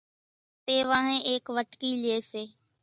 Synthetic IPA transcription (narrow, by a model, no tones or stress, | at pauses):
t̪eːʋãːɦẽːʔeːkʋəʈkiːlɪeːseː